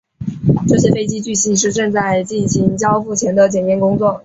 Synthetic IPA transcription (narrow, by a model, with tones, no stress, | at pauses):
ʈ͡ʂɤ˥˩ɕ̬jɛ˥fe˥ɪt͡ɕi˥t͡ɕy˥˩ɕi˥˧ʂ̬ɻ̩˥˧ʈ͡ʂɤ˥˧ŋt͡sa˥˧ɪt͡ɕi˥˩nɕi˧˥ŋt͡ɕjɑ˥ʊfu˥˩t͡ɕʰjɛ˧˥nd̪ə˧t͡ɕjɛ˨˩njɛ˥nkʊ˥ŋt͡swɔ˥˩